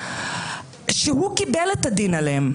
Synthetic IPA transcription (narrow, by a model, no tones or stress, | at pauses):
ʃiɦukibelɐt̪ɐd̪inɐlem